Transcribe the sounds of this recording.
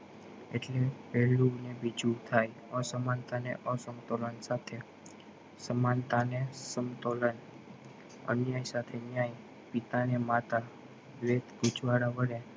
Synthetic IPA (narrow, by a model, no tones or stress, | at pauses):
ḛʈlepɛlunebid͡ʒut̪ʰaj | əsəmant̪anḛʔəsəmt̪olənsat̪ʰe | səmant̪anesəmt̪olən | ə̰njajsat̪ʰenjaj | pit̪anemat̪a | ʋet̪ɡud͡ʒʋaɽaʋəɽe